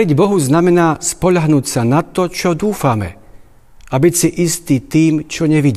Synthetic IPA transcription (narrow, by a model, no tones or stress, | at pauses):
ɾiɟbɔɦuznamɛnaːspɔʎaɦnuːcsanat̪ɔt͡ʃɔd̪uːfamɛ̰ | ʔabicsiʔist̪iːt̪iːmt͡ʃɔɲɛʋiɟi